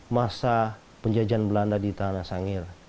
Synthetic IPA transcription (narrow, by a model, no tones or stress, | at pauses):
masa | pəɲd͡ʒad͡ʒanbəlandadit̪anasaŋɪr